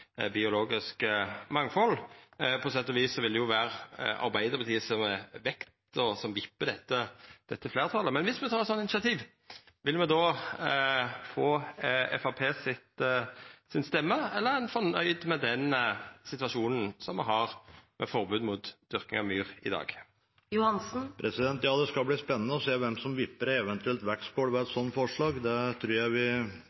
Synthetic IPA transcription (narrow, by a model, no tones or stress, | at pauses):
bɪʊloːɡɪskəmɑŋfɔlːpʰɔsɛt̪ːɔʋiːssɔʋɪld̪ɛjʊʋæːɾɑ̰ɾbæɪd̪əʁbət̪ʰiːəsɔmɛʋɛkt̪ | ɔsɔmʋɪpːəd̪ɛt̪ːəd̪̥ɛt̪ːəfleːʁt̪ʰɑlːəmɛnʋɪsmɛt̪ʰɑːɾɛt̪sɔnɪnɪʃɑt̪ʰiːʋ | ʋɪlmɛd̪ɔː | foːɛ̰fɑpʰeːsɪt̪ | sɪnst̪ɛmːəɛlːəɾæɪnfɔʁnœʏd̪mɛd̪ɛnsɪt̪ʋɑʂuːnn̩sɔmɛ̰ɦɑʁmʔɛ̰fɔʁbʉːd̪mʊt̪d̪̥ʏɾkɪ̰ŋɑʋmyːʁɪ̰d̪ɑ̰ːɡ | jʊhɑnsn̩pʰɾɛsɪd̪ɛnt̪jɑːd̪ɛskɑlbliːspɛnːənəɔseːʋɛmsɔmʋɪpːəɾɛʋɛnt̪ʉɛlt̪ʋækspoːɽʋɛɛt̪sɔnːfɔʂɭɑːɡd̪ɛt̪ʰɾʉːɾjæɪʋɪ